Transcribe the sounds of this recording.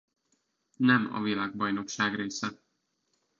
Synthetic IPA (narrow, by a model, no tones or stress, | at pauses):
nɛmɒ̰vilaːɡbɒjno̞kʃaːɡreːsɛ